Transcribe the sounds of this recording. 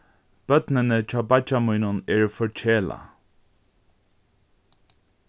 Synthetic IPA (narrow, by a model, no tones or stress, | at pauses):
b̥œt̪nənət͡ʃʰaːbat͡ʃamujnʊnɛːɹfɔɹt͡ʃʰeːla̰